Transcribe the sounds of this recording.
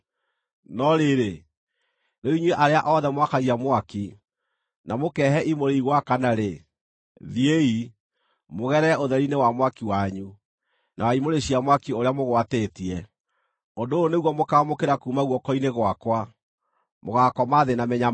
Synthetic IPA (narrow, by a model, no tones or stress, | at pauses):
nɔɾeɾe | noiɲweʔaɾeaʔɔðɛmwakaɣiamwaki | namokɛːhɛʔimoɾeiɣwakanaɾe | ðiei | moɣɛɾɛoðɛɾinewamwakiwaɲu | nʔawaimoɾeɕiamwakioɾeamoɣwatetiɛ | ondoːneɣwɔmokamokeɾakuːmaɣwɔkɔineɣwakwa | moɣakɔmaðenamɛɲa